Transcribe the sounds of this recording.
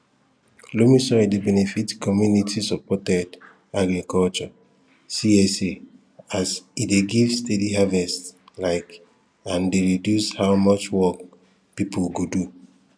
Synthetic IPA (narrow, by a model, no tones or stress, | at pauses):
lomĩsɔidebɛnefitkʰɔmjunitʰisɔpɔtɛd | aɡɹikʰɔlt͡ʃɔ | siese | asideɡivstediɦavɛstlaɪk | ãndeɹidjushawmɔt͡ʃwɔk | pipʰolɡodu